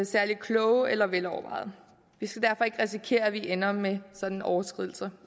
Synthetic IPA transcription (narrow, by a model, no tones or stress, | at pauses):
sæɐlikʰlɔʊelɐʋelɒʊɐʋɑ̈ɪð̩ˠ | ʋisɡ̥æd̥æɐfɒ̽e̝ɡ̥ʁɛs̬ikʰe̝̰ːɐæʋiʔenɐmesɒ̽d̥n̩ɒʊɐsɡ̥ʁið̞̰ˠl̩sɐ